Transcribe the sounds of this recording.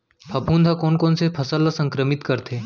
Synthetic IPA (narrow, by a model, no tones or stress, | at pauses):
pʰɐpũːnd̪ʱakoːnkoːnsepʰɐsalasə̃ŋkɾəmit̪kəɾt̪ʰeː